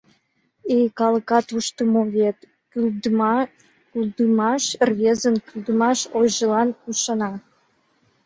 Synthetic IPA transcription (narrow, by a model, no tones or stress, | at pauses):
ejkɑləkɑt̪uʃt̪əmoβet̪ | kyld̪mɑ | kyld̪əmɑʃrβezənkyld̪əmɑʃojʒəlɑnuʃɑnɑ